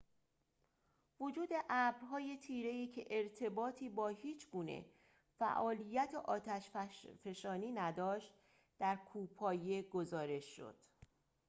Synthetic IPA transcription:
vod͡ʒuːd̪e̞ʔæːbɾɦɒːje̞t̪ʰiːɾe̞iːcʰe̞ʔeɾt̪ʰe̞bɒːt̪ʰiːbɒːhiːt͡ʃʰɡuːnḛ | fæ̰ʔɒːlijːæt̪ʰeʔɒːt̪ʰæʃfeʃɒːniːnæd̪ɒːʃt̪̚ | d̪̥æɾkʰuːpʰɒːje̞ɡo̞zɒːɾe̞ʃːo̰d̪̥

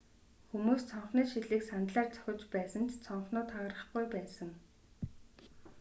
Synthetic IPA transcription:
xumuːst͡sʰɔɴχniːʃiɮiːksant̪ɮaːrt͡sʰœ̥xʲɪ̆t͡ɕpæːsə̆nt̪t͡sʰɔɴχnʊːt̪ʰχœːɾə̆χɡujpæːsə̆ŋ

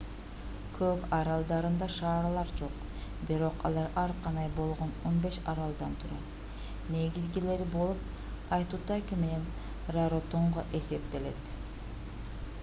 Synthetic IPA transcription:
kʰøkɑɾɑlˠd̪ɑɾɯnd̪ɑʃɑːɾlˠɑɾd͡ʒo̞q | biɾo̞qɑ̰lˠɑɾɑɾqʰɑnd̪ɑjbo̞lˠʁo̞no̞nbe̞ʃɑɾɑlˠd̪ɑnt̪ʰyɾøt̪ | ne̞ɡizɡile̞ɾibo̞lˠup̚ | ɑjt̪uːt̪ɑkime̞ne̞n | raɾot̪oɴʁoʔe̞se̞p̚t̪e̞le̞̰t̪

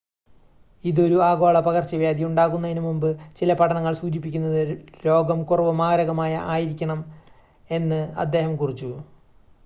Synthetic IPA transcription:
iðo̞ɾuaːɣo̞ːɭɐpɐɣɐrt͡ɕːɐʋjaːd̪juɳɖaːɣunːɐðinumumbɨt͡ɕilɐpɐʈʰɐɳɐŋːɐɭsuːd͡ʑip̬ːikʲːunːɐðɨɾo̞ːɡɐmkurɐʋɐmaːɾɐɣɐmaːjɐ̰ʔaːjiɾikʲːɐɳɐm | e̞nːɨɐ̰d̪ːe̞ːɦɐmkurit͡ɕːu

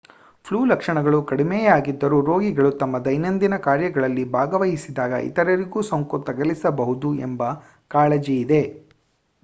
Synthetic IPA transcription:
pʰluːlɐkʂɐɳɐɡɐɭukɐɽimɛːjaːɡid̪ːɐɾuːɾo̞ːɡiɡɐɭut̪ɐmːɐd̪ɐjnɐnd̪inɐkaːɾjɐɡɐɭɐlːibʱaːɡɐʋɐɦisid̪aːɡɐ̰ʔḭt̪ɐɾɐɾiɡuːsɐŋkut̪ɐɡɐlisɐbɐɦud̪uḛmbɐ | kaːɭed͡ʒiːd̪e̞

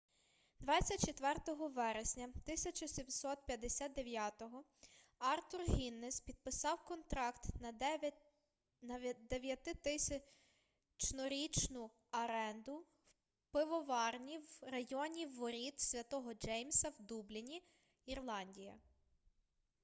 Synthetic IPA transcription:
d̪ʋɑt͡sʲːɐt̚ʲt͡ʃet̪ʋɛrt̪ɔɦɔʋɛɾesʲnʲɐt̪ɪsʲɐt͡ʃɔsʲimsɔt̪̚pʲjɐd̪ːesʲat̪d̪eʋʲjat̪ɔɦɔ | ɑrt̪urɦʲinːespʲid̪̚pɪsɑwkɔnt̪ɾɑkt̪ | nɐd̪eʋʲjɐt̪ɪt̪ɪsʲɐ | t͡ʃnɔɾʲit͡ʃnʊ | ɐɾɛnd̪ʊ | w | pɪʋɔʋɑrnʲiwrɐjɔnʲiwːɔɾʲit̪sʲʋʲɐt̪ɔɦɔd͡ʒɛjmsɐwd̪ublʲinʲi | irlˠɑnʲdʲijɐ̰

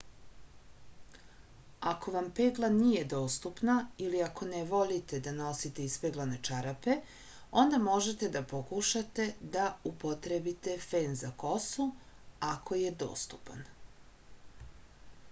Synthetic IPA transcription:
ako̞ʋampeɡlˠanije̞d̪o̞ːst̪upnailiakʰo̞neʋo̞lit̪e̞d̪ano̞sit̪eispeɡlˠanet͡ʃaɾape̞ | o̞nd̪amo̞ʒe̞t̪e̞d̪apokuʃat̪e̞d̪aupot̪ɾebit̪e̞feːnzako̞su | ako̞je̞d̪o̞̰ːst̪upa̰n

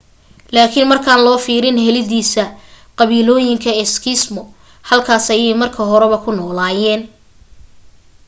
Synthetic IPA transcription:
laːkʰɪnmɐrkʰaːnlɔːfiːɾɪnhɛlɪðiːsɐ | qɑβiːlɔːjɪŋkʰɐɛskʰɪsmɔ | hɐlkʰaːsɐjɛjmɐrkʰɐɦɔɾɛβɐkʰʊnɔːlaːjɛːn

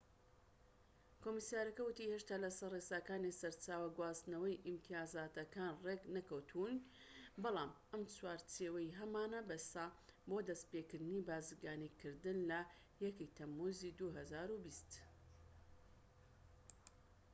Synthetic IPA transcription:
kʰoːmisjaɾɐkɐwʊt̪iheʃt̪aːlɐsɐresaːkaːnisɐɾt͡ʃaːwɐɡwaːst̪nɐwɐjʔimt̪ʰijaːzaːt̪ɐkaːnreɡnɐkɐwt̪ʰun | bɑlˠaːm | ɐmt͡swaːɾt͡seːwɐjɦɐmaːnɐbɐsaboːd̪ɐst̪pekɨɾd̪ɨnibaːzɨɡaːnikɨɾd̪ɨnlɐ | jɐkekt̪ʰɐmːuzid̪uɦɐzaːɾubist̪

